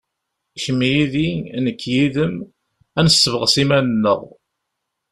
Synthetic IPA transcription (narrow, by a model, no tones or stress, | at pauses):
çəmːijiðinəkʰːjiðəm | ænəsːəvəʁsimænənːəʁ